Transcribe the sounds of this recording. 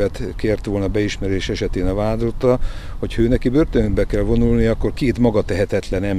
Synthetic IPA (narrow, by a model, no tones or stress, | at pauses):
ɛt̪keːrt̪ʋolnɒbɛiʃmɛɾeːʃɛʃɛt̪eːnɒvaːd̪ot̪ːɒ | ho̞cʰhɒøːnɛkibørt̪ønbɛkɛlvo̞nulnijɒkːorkeːt̪mɒɡɒt̪ɛɦɛt̪ɛt̪lɛnɛm